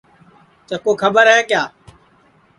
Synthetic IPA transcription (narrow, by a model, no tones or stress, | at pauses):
t͡ʃəkoːkʰəbəɾɦɛːkjaː